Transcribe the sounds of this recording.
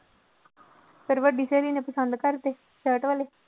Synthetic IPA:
pɪɾʋəɖiːseːliːneːpəsənd̪kəɾt̪eː | səːʈʋaleː

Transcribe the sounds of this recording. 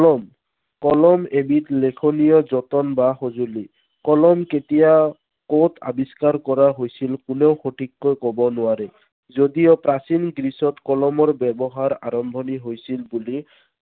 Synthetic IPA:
kɔlɔm | kɔlɔmebitlekʰonijɔzɔtɔnbaxozuli | kɔlɔmketija | kotʰa̰biskaɹkɔɹaɦojsilkuneʊxotʰikːɔjkɔbɔnʊaɹɛ | zodijɔpɹasinɡɹisɔtkɔlɔmɔɹbɛbɔɦaɹa̰ɹɔmbʱɔniɦojsilbuli

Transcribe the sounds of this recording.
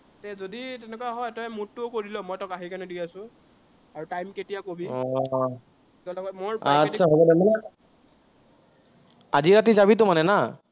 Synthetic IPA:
tɛzoditɛnɛkaɦɔjtɔjmut̚ːʊkoɹilɔmɔjtɔkaɦikanɛdijasʊ̃ | aɹutajmketijakobiɔ | ɛlɔɡɔtmoɹatːsʰaɦobɔdamanɛ | aziɹat̬izaβit̬ʊmanɛna

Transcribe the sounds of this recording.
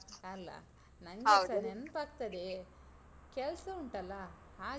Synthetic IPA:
ɐlːɐ̰ | nɐŋɡesɐnenpaːk̚t̪ɐd̪e | kɛlsɐuɳʈɐlːɐ | haː

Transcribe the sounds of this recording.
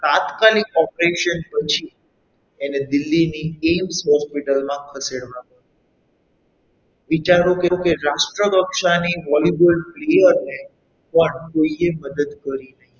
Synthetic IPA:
t̪ãt̪kalik̚ɔpɾeʃənpət͡ʃʰi | ened̪ɪlːiniɡemsɦɔspiʈəlmãkʰəseɽʋãpəɾ | ʋit͡ʃaɾokekeɾaʃʈɾəkəkʃaniʋɔlibəlplejəɾne | pəɳkoieməd̪əd̪kəɾinəɦĩ

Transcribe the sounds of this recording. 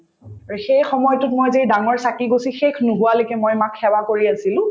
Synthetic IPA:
xejxɔmɔjɔtʊtmojzejdaŋɔɹsakiɡosixekʰnʊɦuwalokɛmojmakʰːɛwakoɹiasilʊ̃

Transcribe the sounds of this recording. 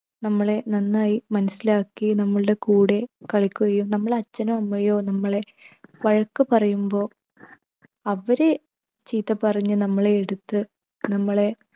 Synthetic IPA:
nɐmːɐɭe̞nɐnːaːjimɐnɐsilaːkːinɐmːɐɭɨɽe̞kuːɽe̞kɐɭikʲːukɐjumnɐmːɐɭɐt͡ɕːɐnɐmɐmːɐjoːnɐmːɐɭe̞ | ʋɐɻɐkːɨpɐrɐjumbo̞ː | ɐʋɐɾe̞ | t͡ɕiːt̪ːɐpɐrɐɲːɨnɐmːɐɭe̞ːɽut̪ːɨ | nɐmːɐɭe̞

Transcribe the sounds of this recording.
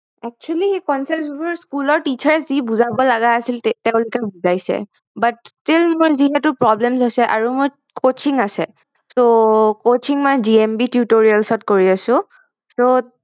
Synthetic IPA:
ɛk̚t͡ʃualihekɔnsasbʊɹskulɔɹtit͡ʃʰaɹɛzibuzabɔlaɡaasiltɛʊ̃lʊkɛbuzajsɛ̰ | bat̚stilmojziɦɛtʊpɹɔblems̬asɛʔa̰ɹumoj | kot͡ʃiŋasɛ | sokot͡ʃʰiŋmɔjd͡ʒiembitjutoɹialsɔtkoɹiasʊ̃ | so

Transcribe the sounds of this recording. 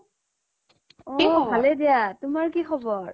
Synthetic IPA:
ɔibʱalɛdijatʊmaɹkixɔbɔɹ

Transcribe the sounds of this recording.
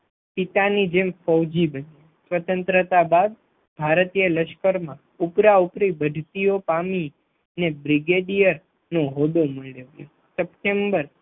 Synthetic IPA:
pit̪anid͡ʒemfɔwd͡ʒibəni | sʋət̪ə̃nt̪ɾət̪abad̪̚ | bʱaɾt̪ijələʃkəɾmã | upɾaupɾibəd̪ʱt̪ijopami | nebɾɪɡeɖijəɾ | nõɦod̪oməɭeʋjo̰ | səp̚ʈembəɾ

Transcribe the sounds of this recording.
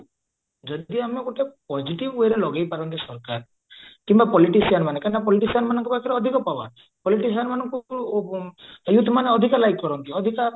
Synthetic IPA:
d͡ʒɔd̪iameɡoʈʰepɔd͡ʒiʈibweɾelɔɡajpaɾɔnt̪isɔɾkaɾ | kimbapɔliʈisianmanekanapɔliʈisianmanɔŋkɔpakʰɔɾeɔd̪ʱikɔpaba̰ | pɔliʈisianmanɔŋku | jut̪ʰːmaneɔd̪ʱikɔlajkːɔɾɔnt̪iɔd̪ʱika

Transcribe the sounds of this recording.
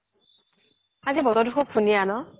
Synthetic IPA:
azibɔɾɔdukʰɔk̚pʰunijanɔ

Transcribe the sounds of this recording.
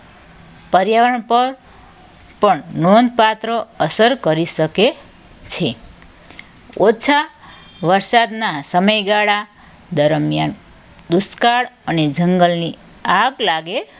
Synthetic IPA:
pəɾjaʋəɳpəɾ | pəɳnond̪̚pat̪ɾəəsəɾkəɾisəke | t͡ʃʰe | ot͡ʃʰa | ʋəɾsad̪nasəməjɡaɽa | d̪əɾmjan | d̪uskaɽəned͡ʒəŋɡəlni | aɡlaɡe

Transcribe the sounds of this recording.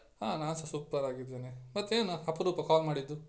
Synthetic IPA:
haːnaːnsɐsuːpːɐɾaːɡid̪ːeːnemɐt̪ːeːnuɐpɐɾuːpɐkaːlmaːɽid̪ːu

